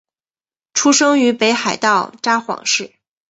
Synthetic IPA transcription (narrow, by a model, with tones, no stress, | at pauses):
ʈ͡ʂʰu˥ʂɤ˥ŋy˧˥pe˧˥ɪxa˨˩ɪt̪ɑ˥˩ʊʈ͡ʂa˥xwɑ̰˨˩˦ŋʂɻ̩˥˩